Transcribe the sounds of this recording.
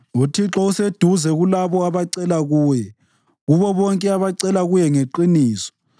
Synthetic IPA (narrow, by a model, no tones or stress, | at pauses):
utʰiǁɔused̥ʱuzɛɣulaβɔaβaǀɛlaɣuːjɛ | ɣuβɔβɔŋkʼɛaβaǀɛlaɣujɛŋeǃiniːsɔ̥